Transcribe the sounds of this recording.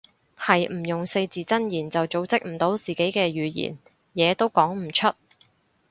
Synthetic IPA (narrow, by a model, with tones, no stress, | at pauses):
hɐ˨jm̩˨˩jʊ˨ŋse˧jt͡siː˨t͡sɐ˥njiː˨˩nt͡sɐ˨wt͡so˨˥wt͡sɪ˥k̚m̩˨˩t̪o˨˥wt͡siː˨ke˨˥jkɛː˧jyː˨˧jḭː˨˩n | jɛː˨˧t̪o˥wkɔː˨˥ŋm̩˨˩t͡ʃʰɵ˥t̚